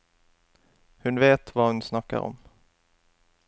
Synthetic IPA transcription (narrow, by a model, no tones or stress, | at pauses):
hɵnveːt̪vahɵnsnakːa̰ɾɔ̰m